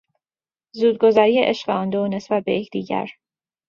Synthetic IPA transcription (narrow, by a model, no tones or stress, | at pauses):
zuːd̪̚ɡo̞zæɾiːjeʔeʃɢeɒːnd̪oːne̞sbæt̪̚bejecʰd̪iːɟæ̰ɾ